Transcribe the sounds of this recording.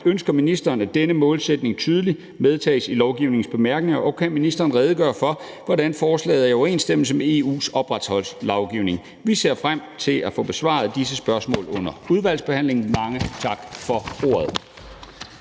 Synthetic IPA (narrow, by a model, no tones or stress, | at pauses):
ønsɡ̥ɐminisd̥ɐːnæd̥enəmɔ̽ːlsed̥ne̝ŋt͡sʰyːð̞ˠəli | með̞ˠt͡sʰɛ̰ːsilɒʊɡ̥iʊne̝ŋ̩sb̥e̝mæɐɡ̥ne̝ŋɐʔɒ̽kʰænminisd̥ɐːn̩ʁɛːðˠəɡ̥ɶːɐfɒ̽ | ʋɒdænfɒːslɛ̰ːð̩ˠæɒʊɐe̝̰ːnsd̥eml̩səmee̝ṵːsɒ̽b̥ʁad̥shɒ̽l̰slɒʊɡ̥iʊne̝ŋ | ʋise̝ɐ̰fʁam̰t͡sʰe̝læfɔ̽b̥e̝sʋɑ̰̈ð̞̩ˠd̥is̬əsb̥ɶɐsmɔ̰̽ːlɔ̽n̰ɐuð̞ˠʋæl̰sb̥e̝hæn̰le̝ŋn̩mɑ̈ŋət͡sʰɑ̈ɡ̥fɒo̝̰ːɐð̩ˠ